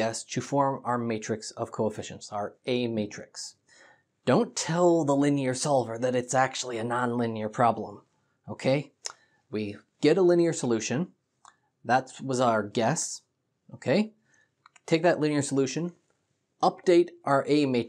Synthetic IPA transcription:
ɛstʰɨfɔɹmaʊə˞meɪt͡ʃɹ̥ɨksʌv̥kʰoʊəfɪʃɨ̰̃n̩tsaʊə˞eɪmeɪt͡ʃɹ̥ɨks | d̥õʊ̃ntʰɛlˠðəlɪ̃niə˞sɑlˠvə˞ðɨɾɨtsæk̚t͡ʃul̩ˠiɨnɑ̃nlɪ̃niə˞pʰɹ̥ɑblə̃m | oʊkʰeɪ | wi | ɡ̥ɛɾəlɪ̃niə˞səlʉʃɨ̃n | ðætwʌzaə˞ɡɛs | ʔoʊkʰeɪ | tʰeɪk̚ðɨʔˡlɪ̃niə˞səlʉʃɨ̃n | ʔʌp̚d̥eɪɾʔaə˞ʔeɪmeɪ

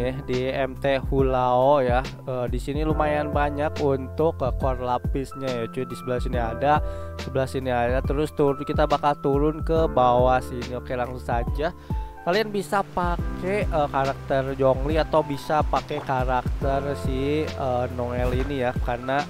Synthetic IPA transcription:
diɛmt̪ehulaoja | əːdisinilumajanbaɲakunt̪ʊkəkɔrlapɪsɲajat͡ʃudisəbəlasiniadasəbəlasiniadat̪əɾʊst̪uɾʊnkit̪abakalt̪uɾʊnkəbawasiniokelaŋsusad͡ʒa | kalianbisapakeəkaɾak̚t̪ərd͡ʒɔŋliat̪awbisapakekaɾak̚t̪ərsiənɔŋɛlinijakarna

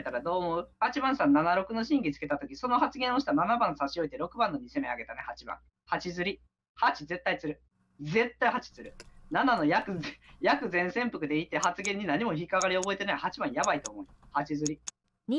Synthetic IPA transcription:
t̪aɾad̪o̞ːmo̞ɯ̟hat͡ɕibãɰ̃sãnːanaɾo̞kɯ̟no̞ɕĩŋɡʲit͡sɨ̥ke̞t̪at̪o̞kʲiso̞no̞hat͡sɨɡẽo̞ɕi̥t̪ananabãɰ̃saɕio̞it̪e̞ɾo̞kɯ̟bãnːo̞ɲ̟ise̞meaɡe̞t̪anehat͡ɕibã̰ŋ̃ | hat͡ɕizɨɾʲi | hat͡ɕize̞t̪ːait͡sɨɾɯ̟ | d͡ze̞t̪ːaihat͡ɕi̥t͡sɨɾɯ̟nanano̞jakɯ̟jakɯ̟zẽɰ̃sẽ̞mpɯ̟kɯ̟d̪e̞it̪ːe̞hat͡sɨɡẽ̞ɲ̟ːinaɲ̟imo̞çikaɡaɾʲio̞bo̞e̞t̪e̞naihat͡ɕibãɰ̃jabait̪o̞ːmo̞ihat͡ɕizɨɾʲi

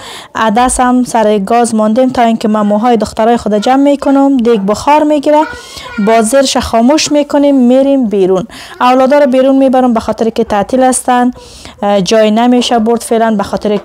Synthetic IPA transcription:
ad̪asamsaɾɪɡɔzmɔnd̪emt̪ɔinkɪmamuɦɔjɪd̪ʊxt̪aɾɔjɪxʊd̪ad͡ʒamːekʊnʊmd̪eɡ̚bʊxɔɾmeɡiɾa | bɔzɪɾʃaxɔmuʃmekʊnemːeɾembeɾun | awlɔd̪ɔɾɔbeɾunmebaɾʊmbaxɔt̪ɪɾɪkɪt̪at̪ɪlast̪an | d͡ʒɔjnameʃabʊɾd̪felanbaxɔt̪ɪɾɪ

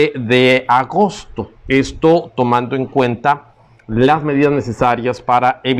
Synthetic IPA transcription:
eðe̞aɣo̞st̪o̞est̪o̞t̪o̞mãnd̪o̞e̞ŋkwe̞nt̪a | lazme̞ðiðazne̞se̞saɾjaspaɾaeβ

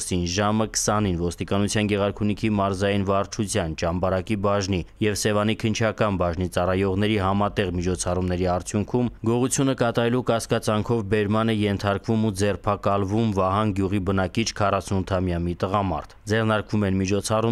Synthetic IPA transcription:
sinʒɑməkʰə̥sɑninvɔst̪ikɑnut͡sʰjɑnɡɛʁɑɾkʰunikʰimɑɾzɑjinvɑrt͡ʃʰut͡sʰjɑnt͡ʃɑmbɑɾɑkibɑʒnijɛvsɛvɑnikʰənt͡ʃʰɑkɑnbɑʒnit͡sɑrɑjɔʁn̪ɛɾiɦɑmɑt̪ɛʁmit͡ʃʰɔt͡sʰɑrumnɛɾiɑɾt͡sʰjuŋkʰumɡɔʁut͡sʰjunəkɑt̪ɑɾɛlukɑskɑt͡sɑŋkʰɔvbɛɾmɑnɛjɛnt̪ʰɑɾkvumud͡zɛrpʰɑkɑlvumvɑɦɑnɡjuʁibənɑkit͡ʃʰkʰɑrɑsunut̪ʰɑmjɑmit̪əʁɑmɑ̰ɾt̪ʰd͡zɛʁnɑɾkvumɛnmit͡ʃʰɔt͡sʰɑru

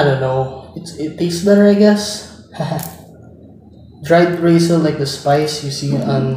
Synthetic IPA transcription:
adõʊ̃nːoʊɪt̪sɪtt̪eɪksbɛɾə˞aɪɡɛs | hah | d̪ɹaɪd̪ɹeɪsəllaɪk̚d̪əspaɪsjɨsiːʌ̃n

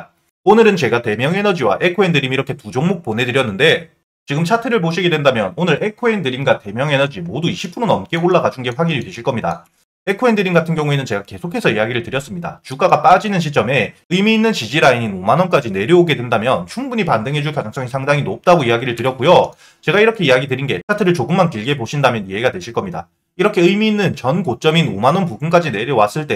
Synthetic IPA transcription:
onɯɾɯnt͡ɕe̞ɡate̞mjʌŋe̞nʌd͡ʑiwa̰ʔe̞kʰoendɯɾimiɾʌkʰe̞tud͡ʑoŋmok̚p͈onɦe̞dɯɾjʌnːɯnde̞ | t͡ɕiɡɯmt͡ɕʰatʰeɾɯɭp̬oɕʰiɡe̞dwe̞ndamjʌnonɯɾe̞kʰoendɯɾimɡate̞mjʌŋe̞nʌd͡ʑimoduiɕʰipʰuɾonʌmk͈e̞oɭːaɡad͡ʑuŋɡe̞ɸwaɡiniɭtweɕʰiɭk͈ʌmɲida̰ | e̞kʰoendɯɾimɡatʰɯnɡjʌŋue̞nɯnt͡ɕe̞ɡake̞sʰokʰe̞sʰʌijaɡiɾɯɭtɯɾjʌs͈ɯmɲida̰t͡ɕuk͈aɡap͈ad͡ʑinɯnɕ̬ʰit͡ɕ͈ʌme̞ɯjmiːnːɯnt͡ɕid͡ʑiɾaiɲinomanʌnk͈ad͡ʑine̞ɾjʌoɡe̞dwe̞ndamjʌnt͡ɕʰuŋbuɲipandɯŋɦe̞d͡ʑuɭkad͡ʑaŋs͈ʌŋisʰaŋdaŋinop̚t͈aɡoiaɡiɾɯɭtɯɾjʌk͈̚ujo | t͡ɕe̞ɡaiɾʌkʰe̞iaɡidɯɾinɡe̞kʰatʰɯɾɯɭt͡ɕoɡɯmːankiɭɡe̞boɕʰindamjʌniɦeiɡadwe̞ɕʰiɭk͈ʌmɲida̰ | iɾʌkʰe̞ɯjmiːnːɯnt͡ɕʌnkot͡ɕ͈ʌminomanʌnpubunk͈ad͡ʑine̞ɾjʌwas͈ɯɭt͈e̞

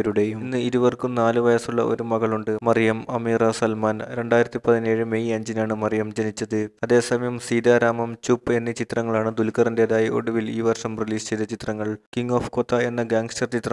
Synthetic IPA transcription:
ɐɾuɽejunːɨiɾuʋɐrkumnaːlɨʋɐjɐsuɭːɐ̰ʔo̞̰ɾumɐɣɐɭuɳɖɨmɐrijɐmɐmiːrɐsɐlmaːnɾe̞ɳɖaːjɾɐt̪ːipɐðine̞ːɻɨmejɐɲd͡ʑinaːɳɨmɐrijɐmd͡ʑenit͡ɕːɐðɨɐðe̞ːsɐmɐjɐmsiːd̪aːɾaːmɐmt͡ɕupːe̞nːɨt͡ɕit̪rɐŋːɐɭaːɳɨd̪ulkɐrɐnde̞ðaːjiʔo̞̰ɽuʋiliːʋɐrʂɐmriliːst͡ɕe̞jt̪ɐt͡ɕit̪rɐŋːɐɭkiŋɡoːfkot̪ːɐe̞nːɐɡaːŋɡsʈɐrt͡ɕit̪rɐ

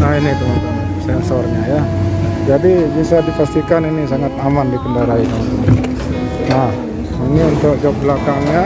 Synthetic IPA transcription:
nainid̪uŋan | sɛnsɔrɲajad͡ʒadibisadipast̪ikaninisaŋat̪̚amandikəndaɾaidaŋant̪ | nah | iniunt̪ʊʔd͡ʒɔp̚blakaŋɲa

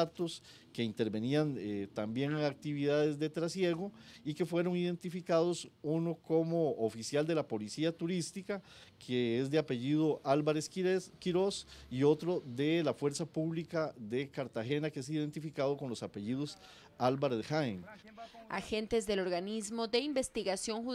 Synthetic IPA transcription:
at̪os | ke̞int̪e̞ɾbe̞niant̪ambje̞ŋeŋak̚t̪iβiðaðe̞zd̪e̞t̪ɾasje̞ɣoike̞fwe̞ɾo̞ŋiðe̞nt̪ifikað̞o̞suno̞ko̞moːfisjald̪e̞lapo̞lisiat̪uɾist̪ikakʰeezd̪eape̞ʝiðoʔalbaɾeskiɾosio̞t̪ɾoðe̞lafwe̞ɾsapuβlikaðe̞kaɾt̪axe̞nakees̬iðe̞nt̪ifikaðo̞ko̞nlo̞sape̞ʝiðos | albaɾðexaena̰xe̞nt̪e̞zd̪e̞lo̞ɾɣanizmoðe̞imbe̞st̪iɣasjo̞ŋxu

